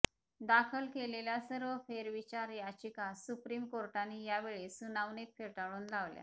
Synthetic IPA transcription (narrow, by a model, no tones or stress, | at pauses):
d̪akʰəlkeleljasəɾʋəfeɾʋit͡ɕaɾjat͡ɕikasupɾiːmkoɾʈanːijaʋeɭesunaʋnit̪feɭʈaɭuːnlaʋlja̰